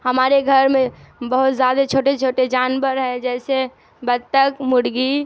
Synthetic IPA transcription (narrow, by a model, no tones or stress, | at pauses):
həmaːɾeɡʱəɾmẽbəɦʊt̪zjaːd̪at͡ʃʰoːʈet͡ʃʰoːʈed͡ʒaːnbəɾɦɛ̃d͡ʒɛːse | bəd̪̚t̪əkmʊɽɡi